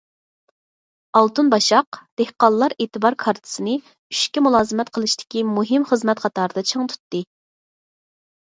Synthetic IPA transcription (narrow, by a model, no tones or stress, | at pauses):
ɑlˠt̪unbɑʃɑqd̪̥ehqɑlˠːɑɾeːt̪ʰɨbɑɾkʰɑɾt̪ʰɨ̥sɨnɨ | yʃkʲimulˠɑːzɨmɛt̪qʰəlˠɨʃt̪ɪ̥kʲimuɦɪmχəzmɛt̪χʰɑt̪ɑːɾɨd̪ɑt͡ʃʰɨŋt̪ʰu̥t̪ːɨ